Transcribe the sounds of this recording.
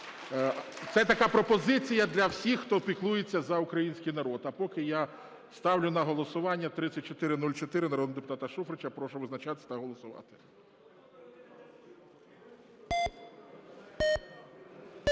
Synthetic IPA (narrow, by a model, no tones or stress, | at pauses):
t̪sɛt̪ɐkɑpɾɔpɔzɪt͡sʲijɐd̪lʲɐwsʲixːt̪ɔpʲiklˠujet͡sʲːɐzɐukɾɐjinʲsʲkɪjnɐɾɔd̪ɐpɔkɪja | st̪ɑwlʲʊnɐɦɔlˠɔsʊʋɑnʲːɐt̪ɾɪt͡sʲːɐt̚ʲt͡ʃɔt̪ɪɾɪnulʲt͡ʃɔt̪ɪɾɪnɐɾɔd̪ɪd̪epʊ̥t̪ɑt̪ɐʃufɾɪt͡ʃapɾɔʃʊʋɪznɐt͡ʃat̪ɪsʲt̪ɐɦɔlˠɔsʊʋɑ̰t̪ɪ̥